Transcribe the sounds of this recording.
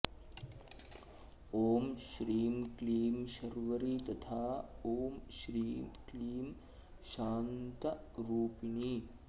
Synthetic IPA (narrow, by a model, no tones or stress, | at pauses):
oːmʃɾiːmkliːmʃɐɾʋɐɾit̪ɐt̪ʰaːoːmʃɾiːkliːm | ʃaːnt̪ɐɾuːpini